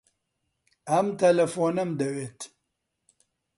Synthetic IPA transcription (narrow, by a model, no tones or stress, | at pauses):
ɐmt̪ɐlɐfoːnɐmd̪ɐweːt̪ʰ